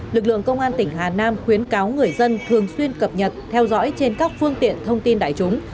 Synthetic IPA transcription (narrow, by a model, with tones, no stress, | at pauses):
lɨ˨˩k̚lɨ̰˧˨əŋkə˧wŋ͡mʔaː˧nt̪ï˧˩ŋ̟ɦaː˨˩naː˧mxwi˨˦ənkaː˨˦wŋɨ˨˩əjzə˧nt̪ʰɨ˨˩əŋswi˧ənkə˨˩p̚ɲə˨˩t̚t̪ʰɛ˧wzɔ̰˧˥jt͡ɕe˧nkaː˦˥k̚fɨ˧əŋt̪ḭ˧˨ənt̪ʰə˧wŋ͡mt̪i˧nɗa̰ː˧˨jt͡ɕʊ˨˦ŋ͡m